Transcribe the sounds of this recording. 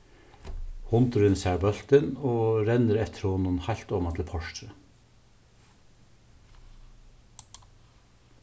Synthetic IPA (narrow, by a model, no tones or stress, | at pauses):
hʊnt̪əɾənsæːɹbœlt̪ənoːɾɛnəɾɛt̪ʰəɾhoːnʊnhæɪlt̪ɔmɑt̪ʰl̩pʰɔʃtɾə